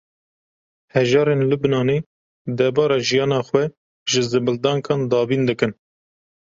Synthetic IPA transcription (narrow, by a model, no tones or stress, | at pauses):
hɛʒɑːɾenlɨbnɑːneː | d̪ɛɾbɑːɾɑʒijɑːnɑːxwɛ | ʒɨzɨbɨld̪ɑːŋkʰɑːnd̪ɑːbiːnd̪ɨkɨn